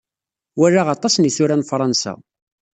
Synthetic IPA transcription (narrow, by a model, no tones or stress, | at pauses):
wærːaʁɑt̪ˤɑsniθʊɾanfɾˤɑnsæ̰